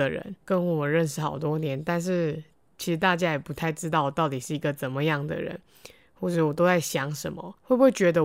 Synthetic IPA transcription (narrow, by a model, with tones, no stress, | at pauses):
ə˨ɻə̰˧˦nkə˦nwɔ˨˩mə˦nɻə˥˧nʂ̬ɻ̩˥˩xɑ̰˨˩ʊt̪wɔ˦˥njɛ˧˦nt̪a˥˧nʂ̬ɻ̩˥˩ | t͡ɕʰi˧˥ʂɻ̩˧˥t̪a˥˧t͡ɕja˥jɛ˨˩pu˧˦t̪ʰa˥˩ɪʈ͡ʂɻ̩˥t̪ɑ˥˩ʊwɔ˨˩t̪ɑ˥˩ʊt̪i˨˩ʂɻ̩˥˩i˧˥ɡə˨t͡sə˨˩nmə˦jɑ˥˩ŋd̪ə̰˨ɻə̰˧˦n | xwɔ˥˧ʈ͡ʂə˩˨wɔ˨˩t̪o˥ʊt͡sa˥˩ɪɕjɑ˧˥ŋʂə˧˥nmə̰˨we˥˩buwe˥˩t͡ɕɥɛ˧˥d̪ə˧